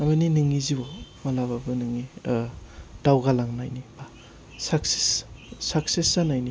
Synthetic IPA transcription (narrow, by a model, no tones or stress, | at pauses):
amaninɯŋːizibɔmalaβabɯnɯŋːi | d̥awɡalaŋnajniba | sakse̥ssak̚sesanajni